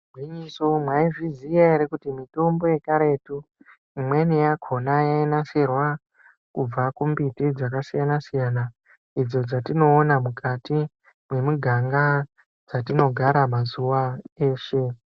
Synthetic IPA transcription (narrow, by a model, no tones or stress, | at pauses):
ɡʱwiɲiso̞mwaiʐizijaeɾekutimito̞mbo̞je̞kaɾe̞tu | imwe̞nijakʰo̞najainaserwa | kub͡vakumbitid͡zakasijanasijana | id͡zo̞d͡zatino̞ːnamukati | mwe̞muɡʱaŋɡa | d͡zatino̞ɡʱaɾamazuwae̞ːʃe̞